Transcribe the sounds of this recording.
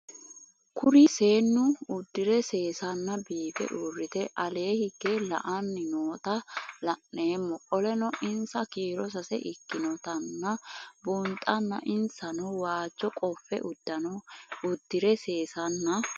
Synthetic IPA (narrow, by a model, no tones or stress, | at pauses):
kʰʊɾɪse̞ːnːʊʊd̪ːɪɾɛse̞ːsɐnːɐbiːfɛ̰ʔurːɪt̪ɛʔɐle̞ːhɪɡ̥ːelɐ̰ʔɐnːɪnoːt̪ɐlɐnːeːmːɔʔɔlɛnɔʔɪnsɐkiːɾɔs̬ɐsɛ̰ʔɪkːɪnɔt̪ɐnːɐbʊnt̪ʼɐnːɐ̰ʔɪnsɐnɔwaːd͡ʒːɔkʼɔfːɛ̰ʔʊd̪ːɐnɔʊd̪̥ːɪɾɛse̞ːsɐnːɐ